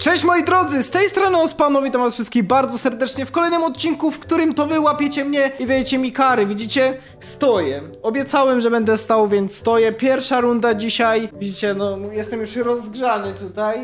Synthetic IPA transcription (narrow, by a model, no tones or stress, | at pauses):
t͡ʂɛɕt͡ɕmɔjid̪ɾɔd̪zɘst̪ɛjst̪ɾɔnɨɔspanɔvʲit̪ɔmasfʂɘst̪̚kʲiɣbaɾd̪zɔsɛɾd̪ɛt͡ʂɲɛfkɔlɛjnɘmɔt̪̚t͡ɕinkufkt̪uɾɘmt̪ɔvɘwapʲjet͡ɕɛmɲɛizajɛt͡ɕɛmʲikaɾɘvʲid͡ʑit͡ɕɛ | st̪ɔjɛ | ɔbʲjɛt̪sawɛmʐɛbɛnd̪ɛst̪awvʲjɛnt̪st̪ɔjɛpʲjɛɾfʂaɾund̪ad͡ʑiɕajvʲid͡ʑit͡ɕɛnɔjɛst̪ɛmjuʂɾɔzːɡʐanɘt̪ut̪aj